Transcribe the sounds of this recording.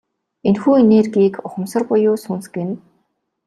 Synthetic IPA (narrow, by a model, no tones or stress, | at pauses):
enxuːeneːrɡiːkʊχə̆msə̆rpʊjʊːsuːnsɡĕn